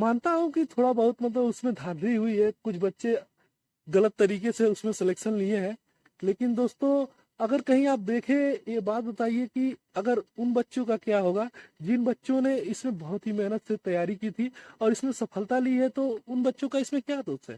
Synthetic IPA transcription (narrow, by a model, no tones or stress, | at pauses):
maːnt̪aɦũkit̪ʰoːɽabɐɦʊt̪mɐt̪ləbʊsmẽd̪ʱaːnɾiɦʊiɦɛkʊt͡ʃʰbɐtːʃe | ɣɐlət̪ːɐɾiːkeseʊsmẽsɪleːkʃənlieɦɛ̃ː | leːkɪnd̪oːst̪õ | ɐɡəɾkɐɦĩaːp̚d̪eːkʰẽjebaːt̪̚bɐt̪aːieki | ɐɡəɾʊnbɐtːʃõkakjaɦoːɡaːd͡ʒɪnbɐtːʃõneɪsmẽbɐɦʊt̪ɦimɛɦnət̪set̪ɐjaːɾikiːt̪ʰiɔːɾɪsmẽsɐpʰəlt̪aliɦɛt̪oʊnbɐtːʃõkaɪsmẽkjaːd̪oːɦɛ̰ː